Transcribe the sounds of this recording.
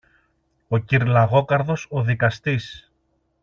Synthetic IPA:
o̞ciɾlɐɣo̞kɐɾðo̞so̞ðikɐst̪is

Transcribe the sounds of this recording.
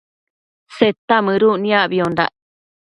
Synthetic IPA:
set̪ːamɨ̃ɾunĩaʔβiond̪a̰ʔ

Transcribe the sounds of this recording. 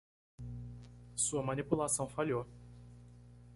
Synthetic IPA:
suɐmɐ̃nipulasɐ̃w̃faʎo

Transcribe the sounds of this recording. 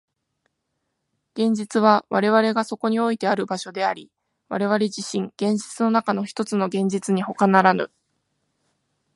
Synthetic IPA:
ɡ̥ẽ̞ɲ̟d͡ʑit͡sɨβ̞aβaɾe̞βaɾe̞ɡaso̞ko̞ɲ̟io̞it̪e̞aɾɯ̟baɕo̞d̪e̞aɾʲi | βa̰ɾe̞β̞aɾe̞ʑiɕĩŋɡ̥ẽ̞ɲ̟d͡ʑit͡sɨno̞nakano̞çi̥t̪o̞t͡sɨno̞ɡẽ̞ɲ̟d͡ʑit͡sɨɲ̟iho̞kanaɾanɯ̰

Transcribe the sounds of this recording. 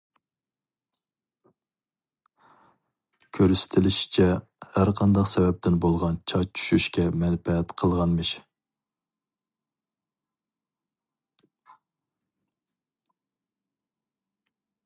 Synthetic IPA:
kʲʰøɾsɪ̥t̪ʰɪlɪʃi̥t͡ʃʰɛ | hæɾqʰɑnd̪ɑqsɛvɛp̚t̪ɪnbolˠʁɑnt͡ʃʰɑt͡ʃʰy̥ʃyʃkʲɛmɛnpɛɛt̪qʰəlˠʁɑnmɨʃ

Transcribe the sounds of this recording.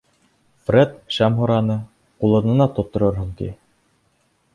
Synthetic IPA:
frʲet̪ʃæmɦuɾɑnɤ | qulˠɤ̆nɤ̆nɑt̪ŏt̪ːŏɾɤɾɦɤ̆ŋt̪ḭ

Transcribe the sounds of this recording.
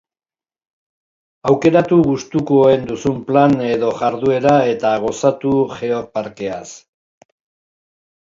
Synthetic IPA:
awke̞ɾat̪uɣust̪ukoe̞nd̪usumplane̞ðo̞ʝaɾðue̞ɾae̞t̪aɣ̞o̞sat̪uʝe̞oɾpaɾke̞as

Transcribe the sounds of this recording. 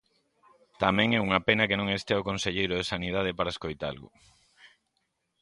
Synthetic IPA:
t̪amɛ̃ŋɛuŋɐpenɐkenõŋest̪eaokonseʎejɾʊðesanið̞að̞epaɾaeskojt̪a̰lɣʊ̰

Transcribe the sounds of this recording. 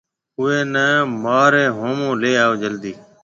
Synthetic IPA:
ʊeːnɛːmaːɾeːɦõːmõːleːaːoːd͡ʒəld̪iː

